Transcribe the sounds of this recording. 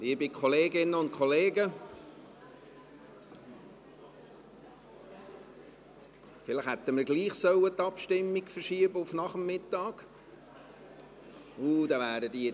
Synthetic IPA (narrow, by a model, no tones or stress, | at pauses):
liəbikχɔleːɡɪnːəʊnt̚kʰχɔleːɡə | fɪləχhɛt̪ːəməɾɡliːχsœwət̪ɑpʃtɪmːiɡfərʃiəbəʊfnɑχəmːɪt̪ːɑːɡ̥ | ud̪ɑʋæːɾəd̪i